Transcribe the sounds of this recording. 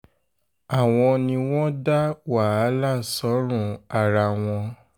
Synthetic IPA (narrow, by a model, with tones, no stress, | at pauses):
a˨w̃ɔ̃˧nĩ˧w̃ɔ̃˦da˦wa˨a˨˦la˦˨sɔ˨˦ɾ̃ũ˦˨a˨ɾa˧w̃ɔ̃˧